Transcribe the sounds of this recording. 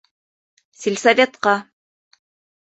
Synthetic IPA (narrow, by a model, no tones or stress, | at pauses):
sʲilʲsavʲet̪qɑ